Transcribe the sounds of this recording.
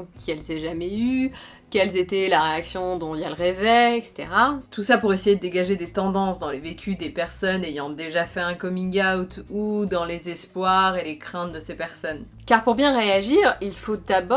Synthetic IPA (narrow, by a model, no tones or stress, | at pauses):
kʲʰiɛlzɛʒamɛy | kʲɛlzet̪ɛlaʁeaksjɔ̃d̪ɔ̃iljaləʁɛvɛɛkse̥t̪ḛʁat̪usapuʁesejed̪əd̪eɡaʒed̪et̪ɑ̃d̪ɑ̃sd̪ɑ̃levekʲʰyd̪epɛʁsɔnejɑ̃d̪eʒafɛɛ̃kɔmĩɡawt̪ud̪ɑ̃lezɛspwaʁelekχɛ̃t̪d̪əsepɛʁsɔn | kaʁpuʁbjɛ̃ʁeaʒiːʁilfod̪abɔ